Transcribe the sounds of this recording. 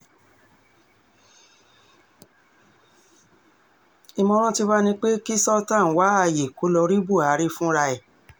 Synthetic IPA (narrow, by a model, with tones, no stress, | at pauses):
i˧mɔ̃˧ɾ̃ɔ̃˦ti˧ba˦nĩ˧k͡pe˦ki˦sɔ˦tã˦˨˦wa˨˦a˧je˨ko˨˦lɔ˧ɾi˦bu˦˨a˨˦ɾi˦fũ˦˧ɾa˧ɛ˨